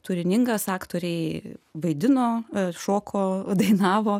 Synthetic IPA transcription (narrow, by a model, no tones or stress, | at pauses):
t̪ʊɾʲɪnʲɪŋɡɐsɑːkt̪oːɾʲɛɪʋɐɪd̪ʲɪnoːʃoːkʰoːd̪ɐɪnɑːʋoː